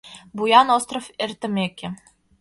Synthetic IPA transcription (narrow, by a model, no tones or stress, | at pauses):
bujɑnost̪rofert̪ɘ̆mekʲĕ